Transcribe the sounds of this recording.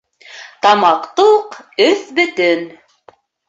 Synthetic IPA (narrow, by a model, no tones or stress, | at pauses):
t̪ɑmɑqt̪uqɵθbɵ̆t̪ɵn